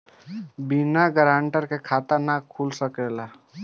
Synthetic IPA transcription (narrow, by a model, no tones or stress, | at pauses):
binaɡəɾãːɳʈəɾkekʰaːt̪əɾnakʰːulsəkelaː